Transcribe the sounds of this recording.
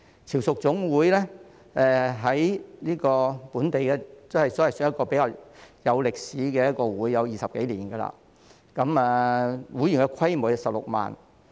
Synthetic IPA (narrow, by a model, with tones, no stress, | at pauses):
t͡sʰiː˨˩wsʊ˨k̚t͡sʊ˨˥ŋwuː˨˥jlɛ˥ | ɛ˨ɦɐ˨˥jniː˥kɔː˧puː˨˥nt̪e˨jkɛ˧˥t͡sɐ˥hjsɔː˨˥wɐ˨˩jsːjɐ˥t̚kɔː˧pe˨˥jkaː˧wjɐ˨˧wlɪ˨k̚siː˨˥kɛː˧jɐ˥t̚kɔː˧wuː˨˥jːɐ˨˧wjiː˨sɐ˨p̚ke˨˥jliː˨˩nɡɐ˧la̰ː˧ | kɐ˨˧˥mɛː˧wuː˨˥jy˨˩ŋkɛ˧kʷʰɐ˥jmoː˨˩jsɐ˨p̚lʊ˨k̚ma̰ː˨˩n